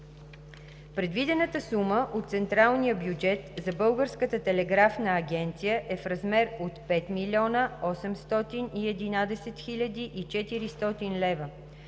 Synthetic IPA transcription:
pɾɛd̪vid̪ɛnət̪əsuməʔot̪t̪sɛnt̪ɾalˠnijəbjud͡ʒɛt̪zɐbɤlˠɡəɾskət̪ət̪ɛlɛɡɾafnəːɡʲɛnt̪sijəʔɛfɾɐzmɛɾot̪pɛt̪milʲiɔnəɔsɛmst̪ɔt̪iniɛd̪inad̪ɛsɛt̪xilʲəd̪iʔit͡ʃɛt̪iɾist̪ɔt̪inlɛvə

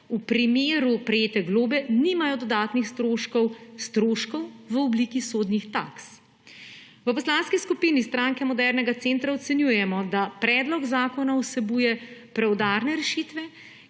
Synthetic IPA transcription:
upɾimeːɾupɾɛjeːt̪ɛɡloːbɛniːmajɔd̪ɔd̪aːt̪nixst̪ɾoːʃkɔwst̪ɾoːʃkɔwʋəɔblikisoːd̪nixt̪a̰ks | ʋəpɔslaːnskiskupiːnist̪ɾaːŋkɛmɔd̪ɛɾnɛɡat̪seːnt̪ɾaɔt̪sɛnjuːjɛmɔd̪apɾɛːd̪lɔkzaːkɔnausɛbujɛpɾɛwd̪aɾnɛɾɛʃiːt̪ʋɛ

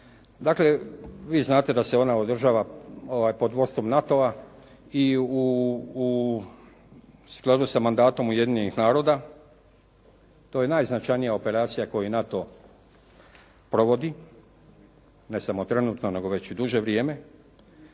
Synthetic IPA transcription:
d̪akle̞ʋiːznaːt̪e̞d̪ase̞o̞naod̪r̩ʒaːʋaoʋajpo̞d̪ʋo̞st̪o̞mnat̪o̞a | iu | sklˠad̪usamand̪aːt̪o̞muje̞d̪iɲenixnaːɾo̞d̪a | t̪oje̞najznat͡ʃajnijaope̞ɾaːt̪sijako̞jinat̪o̞ | pɾo̞ʋo̞d̪i | ne̞samo̞t̪ɾe̞nuːt̪no̞ne̞ɡo̞ʋe̞t͡ɕid̪uʒe̞ʋɾjeːme̞

